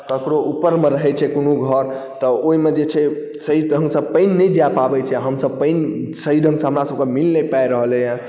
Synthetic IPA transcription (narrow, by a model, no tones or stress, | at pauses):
kəkɾoʔupːəɾmeɾəɦɛt͡ʃʰɛkonuɡʱəɾ | t̪ɔoimed͡ʒet͡ʃʰɛ | səɦid̪ʱə̃ŋsəb̚pəjnːəjd͡ʒjapabɛt͡ʃʰɛaɦəmsəb̚pəɪnsəɦid̪ʱə̃ŋɡsə̃ɦəmɾasəb̚kemilnepajɾəɦəlɛjã